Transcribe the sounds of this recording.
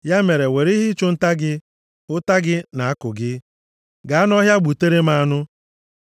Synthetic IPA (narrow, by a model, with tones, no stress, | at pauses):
ja˦me˨ɾe˨we˨ɾi˦ɦi˦t͡ʃʊ˦n̩˦ta˦ɡɪ˦ | ʊ˦ta˦ɡɪ˦na˨a˦kʊ˨ɡɪ˦ | ɡa˨a˦n˦ɔ˦ɦja˦ɡ͡bu˨te˦ɾe˦ma˦nʊ˦